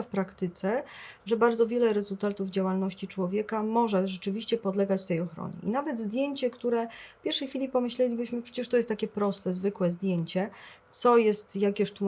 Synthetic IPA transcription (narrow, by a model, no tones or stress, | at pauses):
afpɾakt̪ɘt̪sɛʐɛbaɾdzɔvʲjɛlɛɾɛzult̪at̪uvd͡ʑawalnɔɕt͡ɕit͡ʂwɔvʲjɛkamɔʐɛʐɛt͡ʂɘvʲiɕt͡ɕɛpɔd̪lɛɡat͡ɕt̪ɛjɔxɾɔ̰ɲɛ̰ʔḭnavɛd̪zd̪ʲjeɲt͡ɕɛkt̪uɾɛfpʲjɛɾʂɛjxfʲilʲipɔmɘɕlɛlʲibɘɕmɘpʂɛ̥t͡ɕɛʂt̪ɔjɛst̪akʲɛpɾɔst̪ɛzvɘkwɛzd̪ʲjeɲt͡ɕɛ | t̪sɔjɛst̪jakʲɛʂt̪u